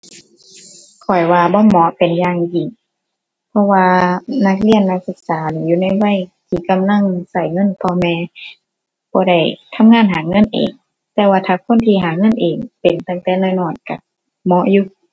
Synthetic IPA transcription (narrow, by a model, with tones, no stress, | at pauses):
kʰɔ˨˩jwaː˧bɔː˧˨mɔ˧˦pe˨njaː˧ŋʔiː˨˩ŋ | pʰɔ˧˥waː˧na˧˥k̚li˧˩ənːa˧˥k̚sɯ˧˦k̚saː˨˦niː˧˦juː˧˨na˧˩jwa˧˨jt̪ʰiː˧˩ka˧˨mla˧˥˨ŋsa˧˩jŋɤ˧˥˨npʰɔː˧mɛː˧ | bɔː˧˦da˧˩jt̪ʰa˧˥˨mŋaː˧˥˨nɦaː˨˦ŋɤ˧˥˨nʔḛː˨˩ŋ | t̪ɛː˧waː˧t̪ʰaː˧˩kʰo˧˥˨nt̪ʰiː˧ɦaː˨˩˦ŋɤ˧˥˨nʔeː˨˩ŋpe˨nt̪a˧˩ŋt̪ɛː˧˨nɛː˧˩˨nɔː˧˩nka˧˩ | mɔ˧˥ʔjuː˧˩